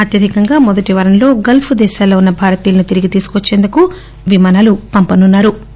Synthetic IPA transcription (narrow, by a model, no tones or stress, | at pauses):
ɐt̪jɐd̪ʱikɐŋɡaːmɔd̪ɐʈiʋɐɾɐmlo̞ːɡɐlpʰud̪ɛːʃaːloːunːɐbʱaːɾɐt̪iːlɐnut̪iɾiɡit̪iːsu̥kʋɐt͡ʃːe̞ːnd̪uku | ʋimaːnaːlupɐmpɐnunːaːɾu